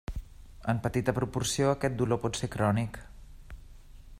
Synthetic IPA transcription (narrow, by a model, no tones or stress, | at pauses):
əmpət̪it̪əpɾupuɾsioəkɛt̪̚d̪ulopɔt̪sekɾɔnik